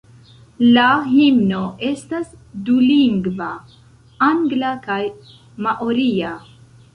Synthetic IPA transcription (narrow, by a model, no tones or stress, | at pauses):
laɦimno̞ʔe̞stasduliŋɡva | aŋɡlakaj | maʔoɾia